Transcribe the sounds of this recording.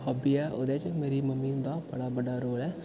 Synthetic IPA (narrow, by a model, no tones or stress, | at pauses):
həːbiːɛːʔoːd̪eːt͡ʃmeːɾiːməmiːd̪aːbəɽaːbəɖaːɾoːlɛː